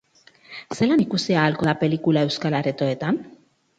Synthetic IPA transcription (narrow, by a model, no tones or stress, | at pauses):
se̞lanikusiaːlko̞ðape̞likulae̞wskalaɾet̪o̞et̪an